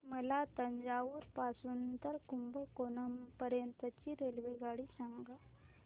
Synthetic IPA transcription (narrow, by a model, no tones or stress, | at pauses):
məlat̪əɲd͡ʑaʋuːɾpasuːnt̪əɾkumbəkonəmpəɾjənt̪ət͡ɕiɾelʋeɡaɽisaŋɡa